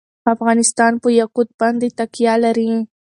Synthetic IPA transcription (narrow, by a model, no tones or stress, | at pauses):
afɣɑnɪst̪ɑnpəjaqud̪̚bɑnd̪et̪akjɑlaɾi